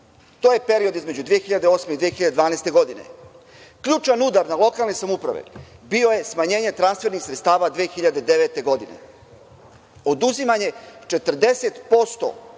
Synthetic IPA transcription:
t̪oje̞pe̞ɾio̞d̪izme̞d͡ʑud̪ʋijexiʎad̪eo̞smeid̪ʋijexiʎad̪ed̪ʋaːnajst̪e̞ɡo̞d̪inḛ | kʎuːt͡ʃanud̪aɾnalˠo̞kalˠnesamupɾa̰ʋḛbio̞je̞smaɲe̞ːɲe̞t̪ɾanst̪ʋe̞ɾnixsɾet̪st̪aːʋad̪ʋiexiʎad̪ed̪eʋet̪e̞ɡo̞d̪ine̞̰ | o̞d̪uzimaɲe̞t͡ʃe̞t̪r̩d̪e̞set̪po̞st̪o̞̰

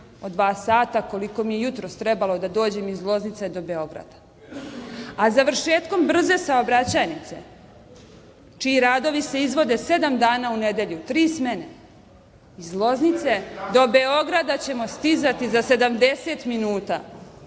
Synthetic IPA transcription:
o̞d̪ʋaːsaːt̪ako̞liko̞mijejut̪ɾo̞st̪ɾebalˠo̞d̪ad̪o̞ːd͡ʑe̞mizlˠo̞znit̪se̞d̪o̞be̞o̞ɡɾa̰d̪̥ḁ | azaʋr̩ʃe̞ːt̪ko̞mbr̩ze̞sao̞bɾat͡ɕanit̪se̞̰ | t͡ʃiːɾaːd̪o̞ʋise̞izʋo̞d̪e̞se̞d̪amd̪aːnauned̪e̞ʎut̪ɾiːsmene | izlˠo̞znit̪se̞d̪o̞be̞o̞ɡɾad̪at͡ɕe̞mo̞st̪izat̪izase̞d̪amd̪e̞se̞ːt̪minuːt̪a̰

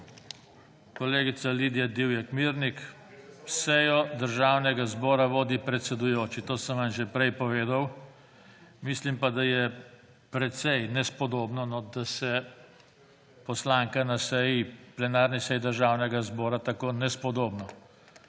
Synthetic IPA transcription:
kɔleːɡit̪saliːd̪jad̪iwjɛkmiɾnik | sɛjɔd̪əɾʒaːwnɛɡazbɔːɾaʋoːd̪ipɾɛt̪sɛd̪ujoːt͡ʃit̪oːsəmʋanʒɛpɾɛjpɔʋeːd̪aw | mislimpad̪ajɛ | pɾɛt̪sɛjnɛspɔd̪oːbnɔnɔd̪asɛ | pɔslaːŋkanasɛjiplɛnaːɾnisɛjid̪əɾʒaːwnɛɡazbɔːɾat̪akoːnɛspɔd̪oːbnɔ

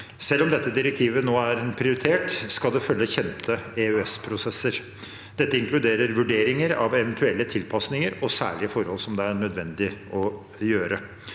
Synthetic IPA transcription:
sɛlːɔmd̪ɛt̪ːəd̪ɪɾɛk̚t̪ʰiːʋənoːæɾɛnpʰɾɪʊɾɪt̪ʰeːʈskɑld̪ɛfœlːəçɛnt̪ʰəɛøɛspʰɾʊsɛsːəɾ | d̪̥ɛt̪ːəɪŋkʰlʉd̪eːɾəɾʋʉɖeːɾɪŋəɾɑ̰ʋɛʋɛnt̪ʰʉɛlːət̪ʰɪlpʰɑsnɪŋəɾɔsæ̰ːɭɪəfɔɾhɔlsɔmd̪ɛæɳœd̪ʋɛnd̪ɪʔɔ | jøːɾə

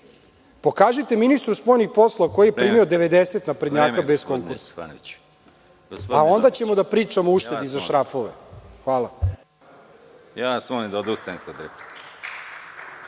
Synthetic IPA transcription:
po̞kaːʒit̪e̞minist̪ɾuspo̞jnixpo̞slˠoako̞jijepɾiːmiod̪eʋed̪eset̪napɾed̪ɲaːabeskoŋkuɾsḁ | ao̞nd̪at͡ɕemo̞d̪apɾiːt͡ʂamouʃt̪e̞d̪izaʃɾafo̞ʋḛxʋaːla | jasmonid̪od̪aust̪enit̪ad̪ɾep̪i̥

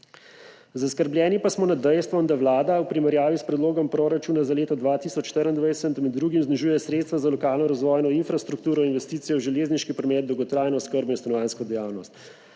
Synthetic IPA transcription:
zaskəɾbljɛːnipasmɔnad̪ɛjst̪ʋɔnd̪aʋlaːd̪awpɾimɛɾjaːʋispɾɛd̪loːɡɔmpɾoɾat͡ʃuːnazaleːt̪ɔd̪ʋaːt̪iːsɔt͡ʃʃt̪əɾənd̪ʋajsɛt̪mɛd̪ːɾuːɡimzniʒuːjɛsɾet̪st̪ʋazalɔkaːlnɔɾazʋɔːjnɔinfɾast̪ɾuk̚t̪uːɾɔinʋɛst̪iːt̪sijɛwʒɛleːzniʃkipɾɔmɛːd̪̚d̪ɔwɡɔt̪ɾaːjnɔskəɾbɔinst̪anɔʋaːnskɔd̪ɛjaːwnɔst̪

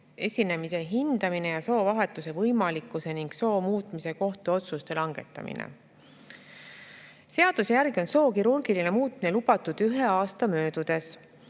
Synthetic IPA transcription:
e̞sʲine̞mise̞ɦind̪̥ɑmine̞jɑso̞ːvɑɦe̞t̪ːˑuse̞vɤjmɑlikːˑuse̞niŋɡ̥so̞ːmuːt̪ːˑmise̞ko̞ht̪uo̞t̪sust̪e̞lɑŋɡ̥e̞̰t̪ːˑɑ̰mḭnḛ | se̞ɑd̪̥use̞jæɾɡ̥io̞nso̞ːkiɾurɡ̥iline̞muːt̪mine̞lub̥ɑt̪ːˑud̪̥yɦeɑːst̪ɑmø̞ːd̪ud̪̥e̞s

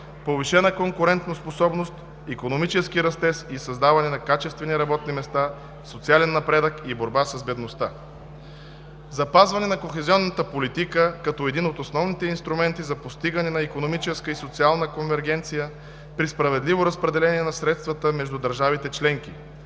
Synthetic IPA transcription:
poviʃɛnəkoŋkʊɾɛnt̪nosposɔbnost̪ | ikonomit͡ʃɛskiɾɐst̪ɛsisɐzd̪avɐnɛnɐkat͡ʃɛst̪vɛniɾɐbɔt̪nimɛst̪a | sot̪sialɛnːɐpɾɛd̪əkiboɾbasəzbɛd̪nost̪a | zɐpazvɐnɛnɐkoxɛziɔnːət̪əpolit̪ikəkɐt̪ɔɛd̪inot̪osnɔvnit̪ɛinst̪ɾumɛnt̪izɐpost̪iɡənɛnɐikonomit͡ʃɛskəisot̪sialˠnəkonvɛɾɡɛnt̪sijə | pɾispɾɐvɛd̪livoɾɐspɾɛd̪ɛlɛniɛnɐsɾɛt̪st̪vət̪əmɛʒd̪ud̪ɐɾʒavit̪ɛt͡ʃlɛŋk̟i

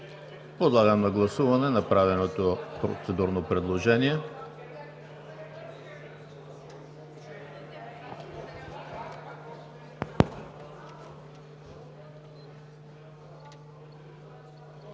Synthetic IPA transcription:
pod̪lˠaɡəmnɐɡlˠɐsuvɐnɛnɐpɾavɛnot̪opɾo̰t̪sɛd̪uɾnopɾɛd̪lˠoʒɛniɛ

